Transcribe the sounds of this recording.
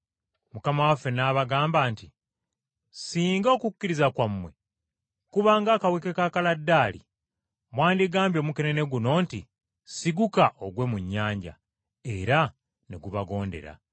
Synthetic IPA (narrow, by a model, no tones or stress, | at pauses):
mukamawafːe̞naːβaɡaːmbaːnti | siːŋɡo̞ːkukːiɾizakwamːwe̞̰ | kuβaːŋɡaːkawekekakaladːaːlḭ | mwaːndiɡaːmbjo̞ːmuke̞ne̞ne̞ɡuno̞ːnti | siɡukaʔo̞ɡwe̞ːmuɲːaːɲɟa̰ | e̞̰ɾa | ne̞̰ɡuβaɡo̞ːnde̞̰ɾa̰